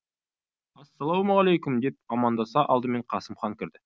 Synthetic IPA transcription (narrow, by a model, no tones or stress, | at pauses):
ɑsːɑlˠɑwmʁɑlˠejkʲʊmd̪e̞p̚ɑmɑnd̪ɑsɑʔɑlˠd̪əme̞ɴqʰɑsəmχɑŋkʲɪɾd̪ɪ